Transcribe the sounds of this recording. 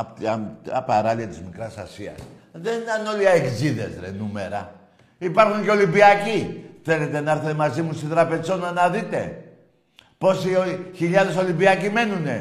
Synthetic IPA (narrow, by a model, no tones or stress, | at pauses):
pt̪ɐpaɾɐliɐt̪izmikɾɐsɐsiɐ̰s | ðenit̪ɐno̞liɐekziðe̞̰zɾḛnume̞ɾɐ̰ | ipɐɾxuɲceo̞limbiɐciθe̞le̞t̪e̞nɐeɾθet̪emɐzimust̪it̪ɾɐpe̞zo̞nɐnɐðit̪e̞̰ | po̞sioçiʎɐðe̞so̞limbiɐcime̞nune̞